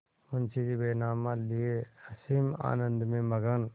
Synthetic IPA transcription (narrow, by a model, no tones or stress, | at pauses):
ʊnsid͡ʒibeːnaːmãlieɐsima̰ːnə̃nd̪mẽmɐɡən